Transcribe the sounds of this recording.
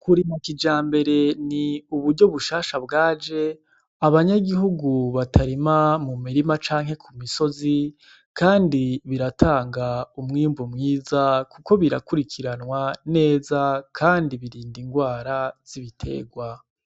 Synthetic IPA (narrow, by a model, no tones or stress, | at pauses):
kuɾimakid͡ʒaːmbe̞ɾe̞niuβuɾɟoβuʃaːʃabɡaːd͡ʒe̞ | aβaɲaɡiɦuɡuβatʰaɾimamumiɾimat͡ʃaːŋhe̞kʰumiso̞zi | kaːndiβiɾatʰaːŋɡaumŋiːmvumŋiːzakuko̞βiɾa̰kuɾikʰiɾanwane̞ːzakʰaːndiβiɾiːndiŋɡwaːɾaz̥iβitʰe̞̰ːɡwa